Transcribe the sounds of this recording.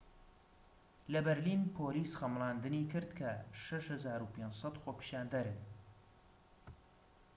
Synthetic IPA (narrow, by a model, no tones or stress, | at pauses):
lɐbɛɾlinpʰoːliːsχɐmlˠɑːnd̪ɨniːkɨɾd̪kʰɐʃɐʃhɨzaːɾupʰensˤɑt̪xoːpi̥ʃaːnd̪ɐɾɨn